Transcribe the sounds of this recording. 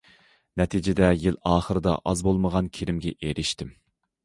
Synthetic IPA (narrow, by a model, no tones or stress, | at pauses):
nɛt̪ʰid͡ʒɪd̪ɛjilˠɑːχəɾɨd̪ɑ̰ʔɑzbolˠməʁɑnkʲʰeɾɪmɡʲɛʔeɾɪʃt̪ɪm